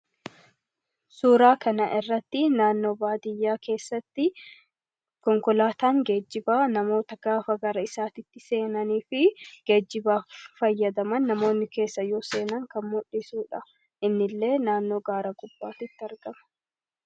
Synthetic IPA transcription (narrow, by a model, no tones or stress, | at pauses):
suːɾaːkɐnɐ̰ʔɪrːɐt̪ːɪnaːnːo̞ːbaːd̪ɪjːaːke̞ːsːɐt̪ːɪ | kɔŋkɔlaːt̪aːŋɡe̞ːd͡ʒːɪbaːnɐmo̞ːt̪ɐɡ̥aːfɐɡɐɾɐɪsaːt̪ɪt̪ːɪse̞ːnɐniːfɪɡ̥eːd͡ʒːɪbaːfɐjːɐd̪ɐmɐnːɐmo̞ːnːɪke̞ːsːɐjo̞ːse̞ːnɐŋkɐnmʊᶑɪsuːᶑɐ | ʔɪnːɪlːe̞ːnaːnːo̞ːɡaːɾɐɡʼʊb̥ːaːt̪ɪt̪ːɪɐɾɡɐmɐ̥